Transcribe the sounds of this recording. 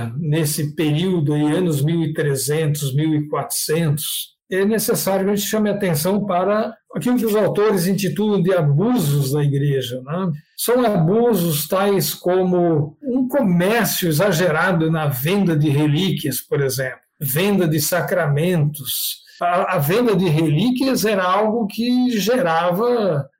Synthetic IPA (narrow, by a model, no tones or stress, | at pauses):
nesɪpeɾiwd̪ʊaiɐ̃nʊzmiwɪt̪ɾezẽnt̪ʊzmiwɪkwat̪ɾʊ̥sẽnt̪ʊ̥s | ɛnesesajʊkɐʒẽnt͡ʃ̪ɪ̥ʃɐ̃mɪat̪ẽsɐ̃w̃paɾɐakilʊk̬ɪʊzawt̪oɾɪzẽt̪it̪ud̪ʊ̃d̪ɪabuzʊzd̪ɐiɡɾeʒɐnɛ̃ | sɐ̃w̃abuzʊst̪ajskõmʊũkomɛɾsjʊezaʒeɾad̪ʊnɐvẽnd̪ɐd̪ɪɦelikiɐspoɾezẽmplʊvẽnd̪ɐd̪ɪsakɾamẽnt̪ʊs | ɐvẽnd̪ɐd̪ɪɦelikiɐzɛɾɐawɡʊkɪʒeɾavɐ